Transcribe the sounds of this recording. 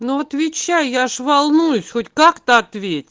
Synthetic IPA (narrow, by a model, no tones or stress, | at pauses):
nuɐt̪vʲɪt͡ɕːæjjaʂʋɐlˠnujʊsʲxotʲkɑkt̪əɐt̪ʋʲetʲ